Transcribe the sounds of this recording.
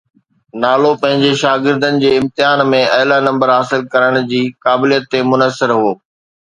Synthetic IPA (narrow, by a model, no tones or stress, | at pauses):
naːlopɐ̃ɦɪ̃ɲd͡ʑeʃaːɡɪɾd̪ənɪ̆d͡ʑeːɪ̃mt̪ɪɦaːnmẽɐɦlanɐ̃mbəɾɦaːsɪlkɐɾəɽ̃d͡ʑiːkaːbɪlijət̪ːemʊnəsɪɾɦoː